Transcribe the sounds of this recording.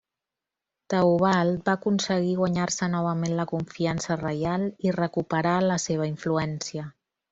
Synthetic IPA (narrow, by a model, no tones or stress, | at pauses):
t̪əuβ̞alˠt̪̚bakunsəɣ̞iɣwaɲarsənɔβ̞əmenləkuɱfiansərəjalˠirəkupəɾaləseβ̞əiɱfluɛnsiə